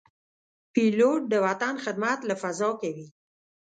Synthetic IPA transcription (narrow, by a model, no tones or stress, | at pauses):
piloʈ̚d̪əwat̪anxɪd̪̚mat̪lafazɑkawi